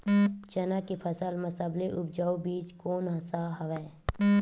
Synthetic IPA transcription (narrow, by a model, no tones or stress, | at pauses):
t͡ʃɐnakepʰəsəlməsəbleʔʊpd͡ʒaːubiːt͡ʃkoːnɦɐsaɦɐʋɛː